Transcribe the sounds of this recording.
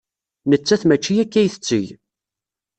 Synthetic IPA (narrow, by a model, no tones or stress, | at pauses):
nət͡sːæθmæt͡ʃːijækːæjθə̥t͡sːə̰j